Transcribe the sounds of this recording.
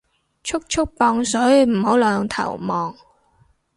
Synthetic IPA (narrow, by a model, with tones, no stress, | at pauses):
t͡ʃʰʊ˥k̚t͡ʃʰʊ˥k̚pɔː˧ŋsɵ˨˥jm̩˨˩ho˨˥wlœː˨˧ŋt̪ʰɐ̰˨˩wmɔː˨ŋ